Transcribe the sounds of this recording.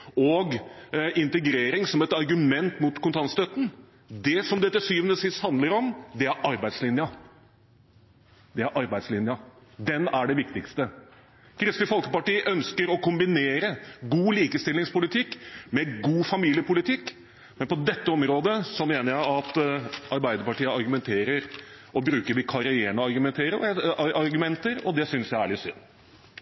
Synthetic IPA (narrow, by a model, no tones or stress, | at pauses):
ɔɡɪnt̪əɡɾeːɾɪŋsɔmɛt̪ɑɾɡʉmɛnt̪mʊt̪kʊnt̪ʰɑnst̪œt̪ːn̩ | d̪ɛsɔmd̪ɛt̪ːɛsyːʋənəsɪst̪hɑnd̪ləɾɔmd̪ɛæɾɑɾbæɪd̪slɪnjɑ | d̪ɛæɾʔɑɾbæɪd̪slɪnjɑd̪ɛnæɖɛʋɪkt̪ɪkst̪ə | kʰɾɪst̪ɪfɔlkəpɑʈiːəʔœnskəɾɔkʊmbɪneːɾəɡuːliːkəst̪ɪlːɪŋspʊlɪt̪ʰɪkːmɛɡuːfɑmiːlɪəpʊlɪt̪ʰɪkː | mɛnpɔd̪ɛt̪ːəɔmɾoːd̪əsɔmeːnəɾjæɪɑt̪ɑɾbæɪd̪əɾpɑʈiːəɑɾɡʉmɛnt̪ʰeːɾəɾʔɔbɾʉːkəɾʋɪkʰɑɾɪeːɳəɑɾɡʉmɛnt̪ʰeːɾə̰ɑɑɾɡʉmɛnt̪əɾɔd̪ɛsʏnsjæɪæɭɪsʏnː